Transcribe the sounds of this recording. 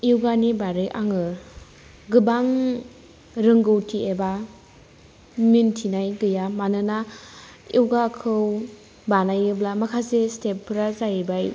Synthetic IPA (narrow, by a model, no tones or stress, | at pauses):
iwɡanibaɾɯjʔaŋɯ | ɡɯbaŋ | ɾɯŋɡɯwtʰieba | mintʰinajɡɯjamanɯna | iwɡakʰɯw | banajɯblamakʰasestepʰːɾazajbaj